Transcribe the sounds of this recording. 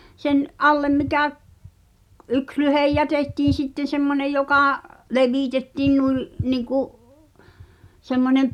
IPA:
sen ʔɑlːem mikæ k̆ ʔyks lyhej jætetːiːn̞ sitːen̞ semːonej jokɑˑ leʋiˑtetːiːn nui niŋkuʔ semːonem̆

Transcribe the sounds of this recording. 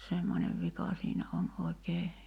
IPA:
semːonʲeʋ ʋikɑ siːnæ on oi̞keː

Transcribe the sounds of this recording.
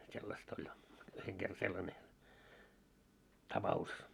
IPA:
selːɑst olʲ yheŋ ɡ̊erːɑ selːɑne tɑpɑus

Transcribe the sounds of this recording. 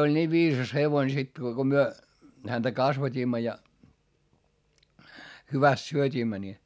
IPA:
olʲ niːʋ ʋiːsɑs heʋoin sekːiː ko ko myø hæntæ kɑsʋɑtʲiːmːɑ jɑ hyʋæst syøtʲiːmːæ ni

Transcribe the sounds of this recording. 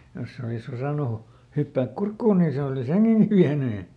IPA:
jos se olisosɑˑnu hypːæːk kurkːuːn niː se olis heŋɡ̊eŋɡ̊i ʋiæny

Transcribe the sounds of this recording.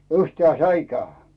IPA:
yhtĕæˑ ĕn sæikæː

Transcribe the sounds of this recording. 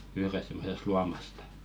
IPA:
yhrest̆ semːosest̆ luɑmɑstɑ

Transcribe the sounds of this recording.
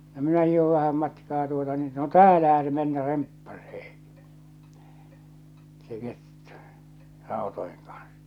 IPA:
no minæ hiˑhoʋ ʋæhæm mɑtkɑː tuotɑ niːn no tæːlæhæ se menːæ rempːɑseː se ketːu̥ rɑˑotoeŋ kɑn̥s

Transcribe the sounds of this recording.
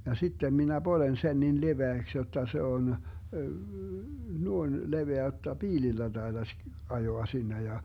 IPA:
jɑ sitːem minæ b̥olen sen nin leʋeæks jotːɑ se on nuoĭn leʋeæ jotːɑ piːlilːæ d̥ɑid̥ɑsʲ ɑjoɑ sinːe jɑ

